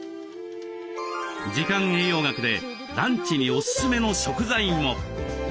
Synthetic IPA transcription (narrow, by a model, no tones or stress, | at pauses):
d͡ʑikãŋ̃e̞ːjo̞ːɡakɯ̟d̪e̞ | d̪ãɲ̟t͡ɕiɲ̟io̞sɨ̥sɨme̞no̞ɕo̞kɯ̟zaĩmːo̞